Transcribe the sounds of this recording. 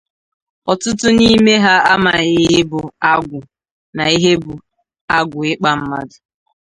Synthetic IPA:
ɔ˨tʊ˦tʊ˦ni˦me˦ɦa˦a˦ma˨ɣɪ˨ɦɪ˦bʊ˨a˦ɡʷʊ˨ | na˨i˦ɦe˦bʊ˨ | a˦ɡʷʊ˨ɪ˦k͡pa˦m̩˦ma̰˦dʊ˨

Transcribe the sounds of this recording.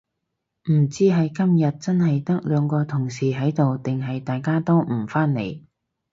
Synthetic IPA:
m̩˨˩t͡siː˥ɦɐ˨jkɐ˥mjɐ˨t̚t͡sɐ˥nɦɐ˨jt̪ɐ˥k̚lœː˨˧ŋkɔː˧t̪ʰʊ˨˩ŋsiː˨˩ɦɐ˨˥jt̪o˨wt̪ɪ˨ŋɦɐ˨jt̪aː˨jkaː˥t̪o˥wm̩˨˩faː˥nnḛ˨˧j

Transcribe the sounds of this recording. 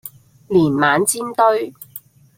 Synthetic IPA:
liː˨˩nmaː˨˧nt͡siː˥nt̪ɵ˥ɥ

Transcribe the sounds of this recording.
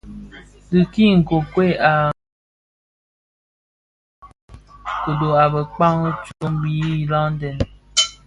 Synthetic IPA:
dɨ˨ki˦˨ŋ̩˨ko˨kwe˦˨a˨ | ko˨do˨a˨bə˨k͡pa˦ŋ˦t͡ʃo˨˦m˦bi˨˦˨la˦n̩˦dɛ˨n

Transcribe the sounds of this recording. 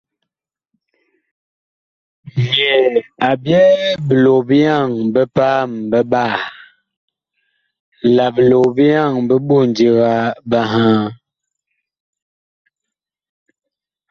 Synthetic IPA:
mjɛ˨a˨bjɛ˦bə˨lo˨bi˦ja˦˨ŋbə˦pa˦mbə˦ba˦˨ | la˨bə˨lo˨bi˦ja˦˨ŋbə˦bo˦˨ndi˦ɣa˦ba˦ɦã˦

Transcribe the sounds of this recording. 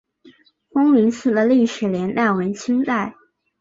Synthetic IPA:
fʊ˥ŋmi˧˥ŋsɹ̩˥˩d̪ə˨li˥˩ʂɻ̩˨˩ljɛ˧˥na˥˩nwə˧˥nt͡ɕʰi˥ŋt̪a˥˩ɪ

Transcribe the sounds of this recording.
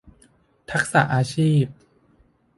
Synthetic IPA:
t̪ʰa˦˥k̚sa̰˨˩ʔaː˧t͡ɕʰiː˥˩p̚

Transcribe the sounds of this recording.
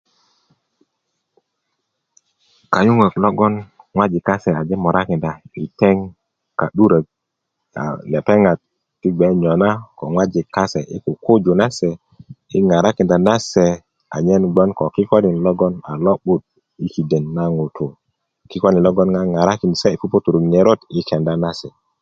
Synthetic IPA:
ka˨ɲu˦ŋa˨klɔ˦ɡɔ˦n | ŋwa˦d͡ʒi˨kːa˦se˨a˨d͡ʒe˦mɔ˨ɾa˦ki˨nda˨i˨te˦ŋ | ka˨ɗu˦ɾa˨k | a̰˨le˨pe˦ŋa˨tː | i˦ɡ͡be˨˦ɲɔ˨na˦ko˨ŋwa˦d͡ʒi˨kːa˦se˨ʔi˦ku˨ko˦d͡ʒo˨na˦sɛ˨ | i˦ŋa˨ɾa˦ki˨nda˨na˦se˨ | a̰˨ɲɛ˦nɡ͡bɔ˦nkɔ˨ki˦ko˦ni˨lɔ˦ɡɔ˦na˨lɔ˦ɓu˦t̚ | i˦ki˨de˨nːa˦ŋo˨tʰo˨ | ki˦ko˦ni˨lɔ˦ɡɔ˦nŋa˦ŋa˨ɾa˦ki˨n˨se˦i˨pu˦po˦tu˨ɾu˨ɲe˨ɾo˦ti˦ke˨nda˦na˦sɛ˨

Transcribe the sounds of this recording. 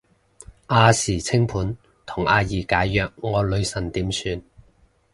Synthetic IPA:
ʔaː˧siː˨˩t͡sʰɪ˥ŋpʰuː˨˥n | t̪ʰʊ˨˩ŋʔaː˧jiː˨˩kaː˨˥jːœː˨˧k̚ŋɔː˨˧lɵ˨˧ɥsɐ˨˩nt̪iː˨˥msyː˧n

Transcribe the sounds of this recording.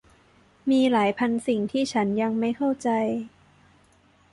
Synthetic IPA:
miː˧laː˩˦jpʰa˧nsi˨˩ŋt̪ʰiː˥˩t͡ɕʰa˦˥nja˧ŋma˥˩jkʰa˥˩wt͡ɕa˧j

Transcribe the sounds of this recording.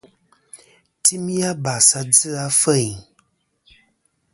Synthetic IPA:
ti˦mi˦a˦ba˨sa˨d͡zɨ˦a˦fə˦˨

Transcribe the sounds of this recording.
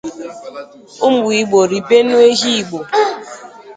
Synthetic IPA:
ʊ˦m˦u˨i˨ɡ͡bo˨ɾi˨pe˦nu˦e˦ɦi˦i˨ɡ͡bo˨

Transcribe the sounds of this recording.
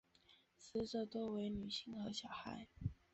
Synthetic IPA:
sɹ̩˥ʈ͡ʂɤ˥˧t̪wɔ˥we˧˥ɪny˨˩ɕi˥˩ŋxɤ˧˥ɕjɑ˨˩ʊxa̰˧˥ɪ

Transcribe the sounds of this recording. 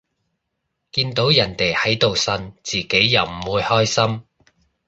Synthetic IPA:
kiː˧nt̪o˨˥wjɐ˨˩nt̪e˨jhɐ˨˥jt̪o˨wsɐ˧nt͡siː˨˩ke˨˥jːɐ˨˩wm̩˨˩wuː˧jhɔː˥jsɐ˥m

